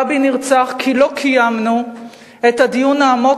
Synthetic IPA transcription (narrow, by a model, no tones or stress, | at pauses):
biniʁt͡saχkʰilo̞kʰijamnu | etad̪ijunaːmo̞